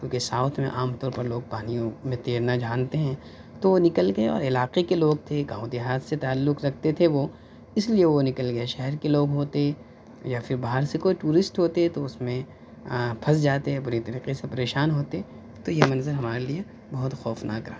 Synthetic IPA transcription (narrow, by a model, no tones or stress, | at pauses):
kjũːkesaːʊt̪ʰmḛ̃ʔaːmt̪ɔːɾpɐɾloːɡ̚paːnijõmẽt̪eːɾnad͡ʒaːnt̪eɦɛ̃ː | t̪oʋonɪkəlɡɐeɔ̰ːɾɪlaːqekeloːɡ̚t̪ʰeɡãːũd̪iɦaːt̪ʰset̪aːlːʊqɾɐk̚ʰt̪et̪ʰeʋo | ɪslieʋonɪkəlɡɐeʃɛɦɛɾkeloːɡɦoːt̪eɦɛ | jaːfʰɪɾbaːɦəɾsekoːiʈuːɾɪsʈɦoːt̪eɦɛt̪oʊsmẽ | pʰɐsd͡ʒaːt̪eɦɛbʊɾit̪ɐɾiːqesepɐɾeːʃaːnɦoːt̪eɛ | t̪ojemɐnzəɾɦɐmaːɾelije | bɐɦʊt̪xɔːfna̰kɐɾaː